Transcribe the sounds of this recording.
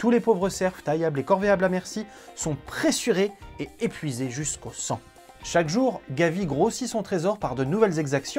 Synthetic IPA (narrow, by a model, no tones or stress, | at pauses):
t̪ulepovʁəsɛʁvt̪ajablekɔʁveablamɛʁsi | sɔ̃pχesyʁeːepɥizeʒyskosɑ̃ | ʃakʒuːʁɡʲaviɡʁosisɔ̃t̪χezɔʁpaʁd̪ənuvɛlzɛɡzaksjɔ̃